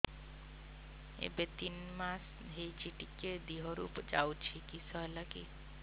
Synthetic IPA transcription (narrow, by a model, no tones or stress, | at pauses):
ḛbet̪inmas | ɦejt͡ʃʰiʈiked̪iɦɔɾṵpd͡ʒawt͡ʃʰikisɔɦɛlaki